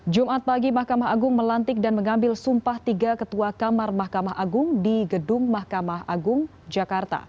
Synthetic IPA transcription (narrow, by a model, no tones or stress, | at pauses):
d͡ʒumat̪̚paɡimahkamaɦaɡʊŋməlant̪ɪk̚danməŋambɪlsumpaht̪iɡakət̪uakamarmahkamaɦʔaɡʊŋdiɡədʊŋmahkamaɦaɡʊŋ | d͡ʒakart̪a̰